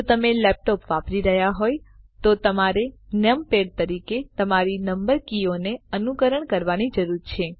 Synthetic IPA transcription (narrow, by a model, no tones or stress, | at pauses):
ot̪əmelɛp̚ʈopʋapɾiɾəɦjaɦojt̪ot̪əmaɾenəmpeɖt̪əɾiket̪əmaɾinəmbəɾkioneənukəɾəɳ̃kəɾʋanid͡ʒəɾuɾt͡ʃʰe